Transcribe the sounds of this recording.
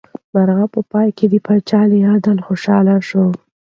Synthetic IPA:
maɾɣapəpɑjked̪əpat͡ʃɑlejɑd̪alxoʃɑlaʃo

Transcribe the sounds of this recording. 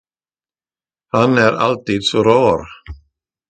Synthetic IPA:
hanæːɾa̰lt̪iːd̪sɔɾɑːɾ

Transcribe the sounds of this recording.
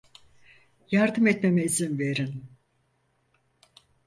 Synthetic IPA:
jaɾd̪ɯmɛt̪memeizinve̞ɾin

